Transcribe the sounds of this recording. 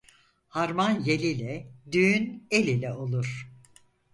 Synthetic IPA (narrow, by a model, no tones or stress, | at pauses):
haɾmanjelʲilʲɛd̪yːne̞lʲilʲɛo̞lˠuɾ̥